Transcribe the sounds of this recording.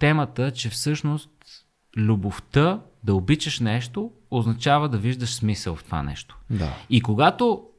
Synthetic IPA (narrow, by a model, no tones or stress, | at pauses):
t̪ɛmət̪ət͡ʃɛfsɤʃnost̪ | lʲuboft̪ə | d̪ɐobit͡ʃəʃnɛʃt̪o | oznɐt͡ʃavəd̪ɐviʒd̪əʃsmisəlˠft̪ova̰nɛ̰ʃt̪o̥d̪a̰ikoɡat̪o